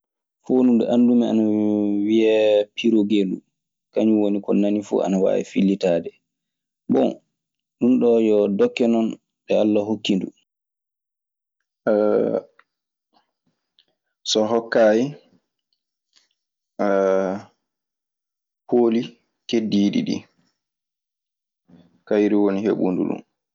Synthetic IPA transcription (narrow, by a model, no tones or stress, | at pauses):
fonundɛʔandumɛa̰nawiɛpʰiɾoɡelṵ | kaɲuwonikɔnanifṵʔa̰nawa̰ḭfilːitaːdɛ | bɔ̰n | ɗunɗɔjɔdɔkːɛnɔn | ɗɛalːaɦokːindṵ | sɔɦɔkːaːji | hoːli | kedːiːɗḭɗḭ | kajɾiwoniheɓunduɗṵm